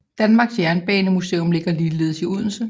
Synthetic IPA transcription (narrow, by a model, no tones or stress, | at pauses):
d̥ænmɑ̈ːɡ̥sjæɐnb̥ɛːnəmuse̝̰ːɔmle̝ɡ̥ɐliːle̝ð̞̰ˠsiuð̰ˠn̩sə